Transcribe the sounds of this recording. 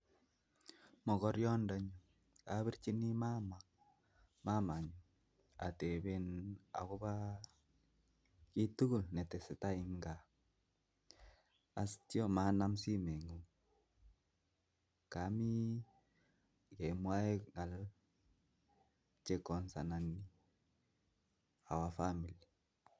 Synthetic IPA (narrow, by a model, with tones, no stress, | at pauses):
mɔ˨kɔ˦ɾjɔ˦ndɔ˦ɲu˨ | ka˦βi˦ɾt͡ʃi˦ni˦ma˦ma˨k̚ | ma˦ma˨ɲu˨ | a̰˨te˨βe˦na̰˨ko˦ba˦ | ki˦tu˦ku˦lnɛ˨te˨se˨ta˦i˦ŋɡa˨ | a˨sti˦o˦ma˦na˦m˦si˦me˨ŋu˨ | ka˨˦mi˦ | ke˨mwa˦e˦ŋa˨l | t͡ʃe˦kɔ˨nsa˨na˨ni˦ | a̰˨wa˨fa˦mi˨li˨